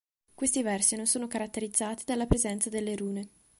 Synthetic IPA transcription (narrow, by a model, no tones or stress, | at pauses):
kwest̪ivɛrsinonsoːnokaɾat̪ːeɾid̪zːaːt̪id̪alːapɾezɛnt̪sad̪elːeɾuːne